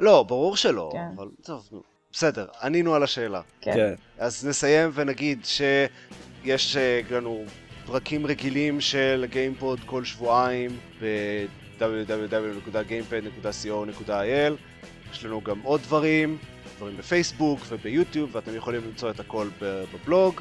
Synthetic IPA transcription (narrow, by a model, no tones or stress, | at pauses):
lo̞baʁuʁʃelo̞̰a̰valtovnṵ | b̥ese̞de̞ʁaninualaʃe̞ːla̰ke | azne̞saje̞mvenaɡid̪ʃe̞je̞ʃlanu | pʁakimʁe̞ɡilimʃe̞lɡejmpo̞d̪ko̞lʃvuaimbe̞ | d̪abudabud̪abunekudaɡejmped̪ne̞kudasio̞ne̞kudaajel | jeʃlanuɡamʔo̞d̪̚dvaʁim | d̪vaʁimbefejsbukve̞bejut̪jubveat̪e̞mjeχo̞limlimt͡so̞et̪ako̞lbebeblo̞ɡ